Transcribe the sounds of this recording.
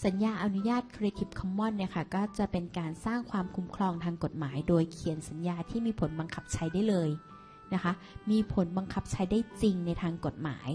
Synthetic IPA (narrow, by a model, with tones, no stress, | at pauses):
sa˩˦njaː˧ʔa˧nu˦˥jaː˥˩t̪̚kʰɾeː˧t̪ʰi˨˩p̚kʰɔ˧˥mːɔ˥˩˨nːi˥˩ɐkʰa˥˩kɔː˥˩t͡ɕa˨˩ʔpe˧nkaː˧nsaː˥˩ŋkʰwaː˧mkʰu˧˦˥mkʰlɔː˧ŋt̪ʰaː˧ŋko˨˩t̪̚maː˩˦jdoː˧jkʰi˨˩˦ənsa˩˦njaː˧t̪ʰiː˥˩miː˧pʰo˩˦nba˧ŋkʰa˦˥p̚t͡ɕʰa˧jdaː˥˩jlɤː˧j | na˦˥kʰa˦˥ | miː˧pʰo˩˦nba˧ŋkʰa˦˥p̚t͡ɕʰa˧jdaː˥˩jt͡ɕi˧ŋna˧jt̪ʰaː˧ŋko˨˩t̪̚ma̰ː˩˦j